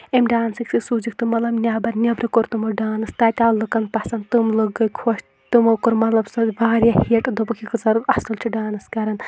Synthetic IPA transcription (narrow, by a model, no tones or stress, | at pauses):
emʲɖaːnsiksisuːd͡ʒikt̪umɐt̪lɐbnʲaːbɐɾnʲɐbɾikoɾt̪umɐɖaːnɨst̪aːt̪ʲaːllːɨkɐn̚pɐsɐnd̪t̪umlɨɡːɐjkʰoʃ | t̪umɐkoɾmɐt̪lɐbsɐbaːɾjahiɐʈɐd̪obɐkʰʲikɨzɐɾɐsɐlt͡ʃʰiɖaːnɨskɐɾɐn